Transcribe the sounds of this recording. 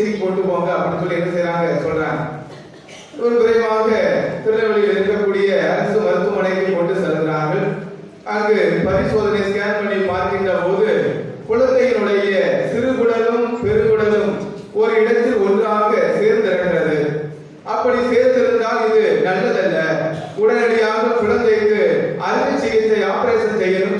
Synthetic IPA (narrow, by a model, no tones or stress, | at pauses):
sɪɯpːoːʈːɯpoːŋɡɐɐpːɐnɯkːɯɭɛndɯsɐjɾaːŋɡɐsɔlraːn | ɔɾɯkɪɾɐɪʋaːɣɐp̪ɪɾɯnɐʋɐlɪlɪɾɯkːɐkːuːɽɪjɐɐɾɐsɯʋɐɾɯt̪ːɯmɐnɐɪkːɐkːɔɳɖɯsɛlɯɣɪɾaːɾɣɐɭ | ʔɐŋɡepɐɾɪsoːðɐnɐɪskaːnpɐnɐpaːɾkɪɳdrɐpoːðɯ | pʊlɐkːɐjɪnɯɽɐjɐt̪ɪɾɯɣɯɽɐlɯmpɛɾɯɣɯɽɐlɯm | ɔɾɯɪɽɐt̪ːɯɔndraːɣɐseːɾnd̪ɪɾɐnɡɪɾɐðɯ | ʔɐpːɐɽiseːɾnd̪ɪɾɯnd̪aːlɪðɯnɐlːɐlɐlːɐ | ʊɽɐnɐɽɐjaːɣɐkʊɻɐnd̪ɐɪk̪ːɯɐɾɪʋʋɯt͡ʃːɛjɐt̪ːɐɪaːpɐɾeːsɐsɛjːɐlɯm